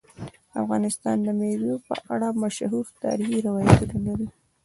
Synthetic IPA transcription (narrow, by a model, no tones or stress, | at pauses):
afɣɑnɪst̪ɑ̰nd̪əmewjopə̰ʔaɽamaʃhuɾt̪ɑ̰ɾixiɾawɑjat̪unalaɾi